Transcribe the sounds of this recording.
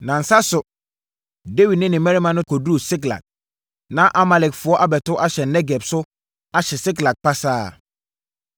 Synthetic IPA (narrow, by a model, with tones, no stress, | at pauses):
nã˨n̩˨sa˦sʊ˨ | de˦wi˨dnɪ̃˦nɪ̃˨mɛ˦i˦mã˨nʊ̃˦kʰɔ˨dɾu˦˨sɪ˦kla̰˨k̚ | nã˦ʔa˦ma˨lɛ˨kfʊ˨ɔ˦ʔa˦bɛ˨tʊ˦ʔa˦ɕɛ˨nːɛ˦ɡɛ˨bsʊ˦ | a˦ɕɛ˨sɪ˦kla˨k̚pʰa˦saː˦˨